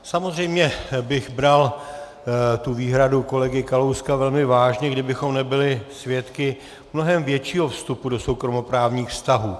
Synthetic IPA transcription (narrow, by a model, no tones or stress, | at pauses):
samozr̝ɛjmɲɛbɪɣbɾal | t̪uviːɦɾaduko̞lɛɡɪkalowskavɛlmɪvaːʒɲɛɡdɪbɪxo̞mnɛbɪlɪsvjɛt̪kɪ | mno̞ɦɛmvjɛt͡ʃiːɦo̞fst̪upudo̞so̞wkɾo̞mo̞pɾaːvɲiːxfst̪aɦuː